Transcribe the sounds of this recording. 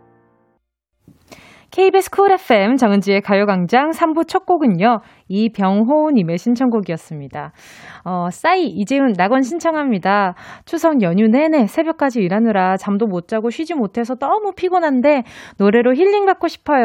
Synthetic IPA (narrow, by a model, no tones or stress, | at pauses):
kʰe̞ibesʰkʰuɾe̞pʰe̞mt͡ɕʌŋnd͡ʑie̞kajoɡaŋd͡ʑaŋsʰambut͡ɕʰʌk̚k͈oɡɯɲo | ipjʌŋɦonime̞ɕʰint͡ɕʰʌŋɡoɡiʌs͈ɯmɲida | ʌs͈aiːd͡ʑeɯnɾaɡʌnɕʰint͡ɕʰʌŋɦamɲidat͡ɕʰusʰʌŋjʌɲune̞ne̞sʰe̞bjʌk͈ad͡ʑiːɾanɯɾat͡ɕamdomot̚t͡ɕ͈aɡoɕʰɥid͡ʑimotʰe̞sʰʌdʌmupʰiɡonɦande̞noɾe̞ɾoçiʎːiŋbak͈̚oɕʰi̥pʰʌjo